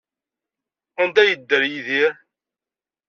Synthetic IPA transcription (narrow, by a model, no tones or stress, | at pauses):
ənd̪æjəd̪ːəɾjiðiɾ